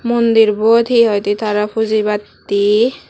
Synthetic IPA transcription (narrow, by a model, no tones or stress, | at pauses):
mond̪iɾbɔd̪ʰʱiɦɔjt̪et̪aɾapʰuzibat̪ː | i